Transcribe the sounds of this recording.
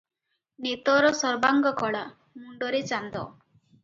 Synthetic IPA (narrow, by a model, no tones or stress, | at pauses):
net̪ɔɾɔsɔɾbaŋɡɔkʰɔɽa | muɳɖɔɾet͡ʃand̪ɔ